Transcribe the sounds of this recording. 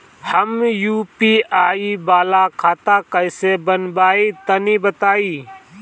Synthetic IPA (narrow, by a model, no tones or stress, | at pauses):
hɐmjuːpiːaːibaːlakʰaːt̪akəɪsebənbaːit̪ɐnibət̪aːiː